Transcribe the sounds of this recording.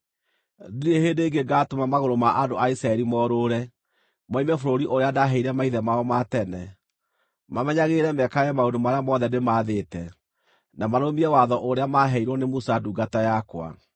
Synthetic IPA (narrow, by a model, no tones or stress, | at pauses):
ðuehedeːɡeɡatomamaɣoɾomaʔadoaisɾaɛɾimɔɾoɾɛ | mɔimɛfoɾoɾiʔoɾeadaɦɛiɾɛmaiðɛmaɔmatɛnɛ | mamɛɲaɣeɾɛmɛkajɛmaodomaɾeamɔðɛnemaðetɛ | namaɾomiɛwaðɔʔoɾeamaɦɛiɾɔnemusaduːɡatajakwa̰